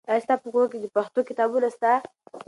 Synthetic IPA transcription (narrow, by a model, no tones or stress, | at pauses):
ast̪apəɡok̬ed̪əpaxt̪okɪt̪ɑbunast̪a